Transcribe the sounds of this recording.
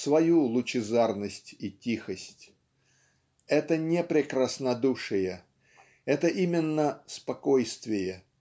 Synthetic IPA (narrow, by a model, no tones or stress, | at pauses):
svɐjulˠʊt͡ɕɪzarnəsʲtʲitʲixəsʲtʲ | ɛt̪ənʲepɾʲɪkɾəsnɐd̪uʂɨjə | ɛt̪əʔimʲɪnːəspɐko̞jst̪vʲɪjə